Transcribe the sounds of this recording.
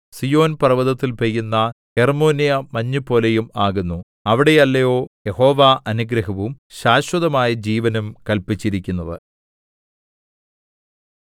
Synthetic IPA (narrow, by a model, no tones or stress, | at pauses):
sijo̞ːnpɐrɐʋɐðɐt̪ːilpejːunːɐhermo̞ːnijɐmɐɲːupo̞ːle̞jumaːɣunːu | ɐʋiɽe̞jɐlːɐjo̞ːje̞ho̞ːʋaʔɐnuɡɾɐɦɐʋumɕaːɕwɐðɐmaːjɐd͡ʑiːʋɐnɐmkɐlpit͡ɕːiɾikʲːunːɐðɨ